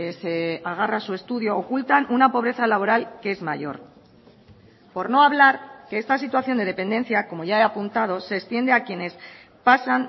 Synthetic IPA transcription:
ese̞aɣ̞arasue̞st̪uðjo̞ːkult̪anunapo̞β̞ɾe̞θalaβo̞ɾalke̞e̞zmaʝo̞̰ɾ | po̞ɾno̞aβ̞laɾke̞e̞st̪asit̪waθjo̞nd̪e̞ð̞e̞pe̞nd̪e̞nθjako̞mo̞ʝae̞apunt̪að̞o̞se̞ːkst̪je̞nd̪e̞akje̞ne̞s | pasan

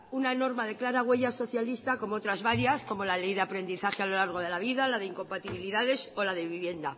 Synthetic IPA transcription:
unano̞ɾmaðe̞klaɾaɣwe̞ʝaso̞θjalist̪ako̞moo̞t̪ɾazβaɾjasko̞mo̞lale̞jðeapɾe̞nd̪iθaxealo̞laɾɣ̞o̞ðe̞laβiðalaðe̞iŋko̞mpat̪iβiliðaðe̞so̞lað̞e̞βiβje̞nd̪a

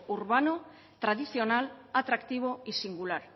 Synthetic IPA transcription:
uɾβano̞ | t̪ɾaðisio̞nalat̪ɾakt̪iβ̞o̞isiŋɡulaɾ

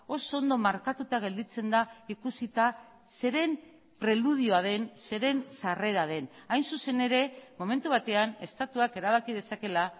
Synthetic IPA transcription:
o̞soond̪o̞maɾkat̪ut̪aɣ̞e̞ld̪it͡se̞nd̪aikusit̪a | se̞ɾe̞m | pɾe̞luð̞ioað̞e̞nse̞ɾe̞nsare̞ɾað̞e̞najnsuse̞ne̞ɾe̞mo̞me̞nt̪uβ̞at̪e̞ane̞st̪at̪uake̞ɾaβ̞akiðe̞sake̞la

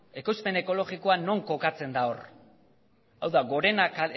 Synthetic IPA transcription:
e̞ko̞jspe̞ne̞ko̞lo̞ɣiko̞ano̞ŋko̞kat͡se̞nd̪ao̞r | awðaɣo̞ɾe̞naka

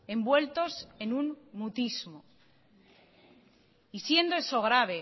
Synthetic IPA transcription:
e̞mbwe̞lt̪o̞se̞nunmut̪izmo | isje̞nd̪oe̞so̞ɣ̞ɾaβ̞e̞

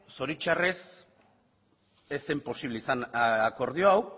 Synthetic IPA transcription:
so̞ɾit͡ʃare̞s | e̞sempo̞siβle̞isanaako̞ɾð̞ioaw

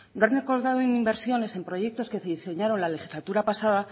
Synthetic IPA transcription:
noanreko̞ɾðaðoenimbeɾsjo̞ne̞se̞mpɾo̞ʝe̞k̚t̪o̞ske̞se̞ðise̞ɲaɾo̞nlale̞xizlat̪uɾapasað̞a

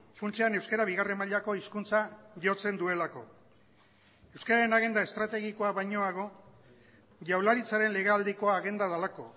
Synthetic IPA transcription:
funt͡sianewskaɾaβiɣare̞maʎako̞iskunt͡saʝo̞t͡se̞nd̪ue̞lako̞ | e̞wskaɾaɾe̞naɣ̞e̞nd̪ae̞st̪ɾat̪e̞ɣiko̞aβajɲo̞aɣ̞o̞ | ʝawlaɾit͡saɾe̞nle̞ɣ̞eald̪iko̞aɣe̞nd̪að̞alako̞

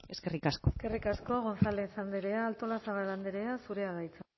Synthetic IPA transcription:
eskerikaskoske̞rikasko̞aɣ̞o̞nsalesand̪eɾeaːlt̪o̞lasaβaland̪eɾeasuɾe̞aðajt͡s

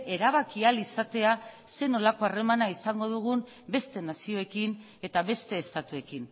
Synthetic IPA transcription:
e̞ɾaβ̞akialisat̪e̞a | se̞no̞lako̞are̞manaisaŋɡo̞ðuɣ̞um | be̞st̪e̞nasio̞e̞kin | e̞t̪aβe̞st̪e̞ːst̪at̪ue̞kin

